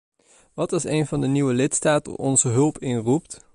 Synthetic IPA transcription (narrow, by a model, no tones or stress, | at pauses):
ʋɑtɪsejnvɑndəniwəlɪtstaːtə̰ʔɔ̰nzəɦɵlˠpɪnrup̚t